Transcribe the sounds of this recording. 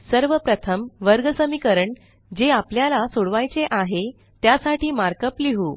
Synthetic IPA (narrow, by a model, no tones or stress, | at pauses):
səɾʋəpɾət̪ʰəmʋəɾɡəsəmikəɾəɳ | d͡ʑeapljalasoɽʋajt͡seʔaɦe | t̪jasaʈiːmaɾkəpliɦuː